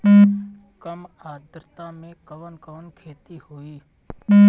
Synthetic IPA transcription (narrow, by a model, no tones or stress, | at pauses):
kəmaːd̪ɾət̪ãːmẽkəʋənkəʋənkʰeːt̪ihoːiː